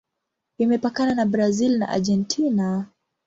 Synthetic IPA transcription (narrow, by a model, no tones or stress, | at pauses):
imɛpakananabɾazilna̰ʔa̰ʄɛntʰina